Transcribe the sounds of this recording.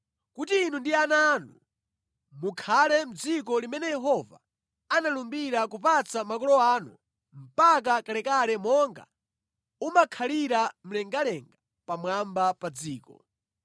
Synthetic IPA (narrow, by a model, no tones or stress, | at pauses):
kutiːnundianaːnu | mukʰalɛm̩d͡zik̬ɔlimɛnɛjɛɦɔva̰ | analumbiɾakupat͡samakɔlɔaːnu | m̩pak̬akalɛkalɛmɔŋɡa̰ | umakʰaliɾam̩lɛŋɡalɛŋɡa | pamwambapad͡ziːkɔ̰